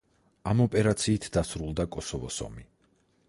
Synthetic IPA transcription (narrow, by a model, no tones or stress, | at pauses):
amɔpʼɛɾat̪sʰiːt̪ʰd̪asɾulˠd̪akʼɔsɔvɔsɔ̰mi